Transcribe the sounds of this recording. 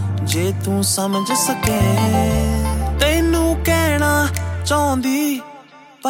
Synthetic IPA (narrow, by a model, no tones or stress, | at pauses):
d͡ʒeːt̪ũːsəməd͡ʒsəkeː | t̪enũːkɛːɽ̃aːt͡ʃaːʊ̃nd̪iː | p